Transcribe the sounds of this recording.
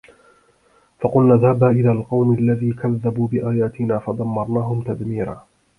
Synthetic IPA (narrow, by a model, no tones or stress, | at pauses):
fɑqʊlnaːðaːbaːʔɪlaːlqɑwmalːaðiːkaðːabuːbɪʔaːjaːt̪ɪnaːfɑd̪ˤɑmːɑɾˤnaːɦʊmt̪ad̪miːɾa̰ː